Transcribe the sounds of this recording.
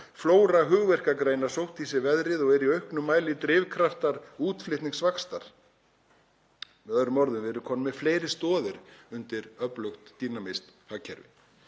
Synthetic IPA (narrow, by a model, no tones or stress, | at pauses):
floːwɾaɦʏɣvɛr̥kakɾeːjnḁsowht̪isɪvɛðɾɪðɔɣɛɾiœɥhknʏmːaːjlɪt̪ɾɪːvkʰɾaft̪aɾuːt̪flɪht̪niŋsvakst̪aɾ̥ | mɛðœðɾʏmːɔɾðʏmvɪɛɾʏkʰɔmnʏmːɛfleːjɾɪ̥st̪ɔːðɪɾʏnt̪ɪɾ̥œplowxt̪ːiːnamejst̪haːcʰɛɾvɪ̰